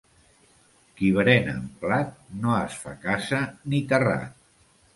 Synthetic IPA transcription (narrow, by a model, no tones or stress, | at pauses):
kiβɾɛnə̰mplat̪̚noəsfa̰kasənit̪əra̰